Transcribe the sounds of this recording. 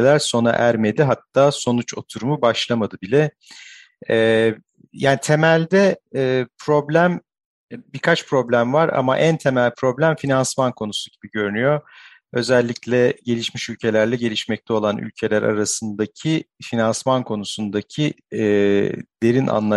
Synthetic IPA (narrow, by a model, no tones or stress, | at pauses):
lʲæɾso̞na̰ʔæɾme̞d̪iɦat̪ʰːaːso̞nut͡ʃo̞t̪ʰuɾumubaʃlˠamad̪ɯbilʲɛ | jaːnit̪ʰe̞mælʲd̪ɛːpʰɾo̞blʲæm | bikʰat͡ʃpɾo̞blʲæmvaɾa̰ma̰ʔænt̪ʰe̞mælʲpʰɾo̞blʲæmfinansmankʰo̞nusuɟibiɟø̞ɾynyjo̞ | ø̞zɛlʲːiclʲɛɟe̞lʲiʃmiʃylʲcʰe̞lʲæɾlʲɛɟe̞lʲiʃmɛc̚t̪ʰɛo̞lˠanʔy̰lʲcʰe̞lʲæɾa̰ɾasɯnd̪acʰifinansmankʰo̞nusund̪acʰi | d̪̥e̞ɾina̰nlˠa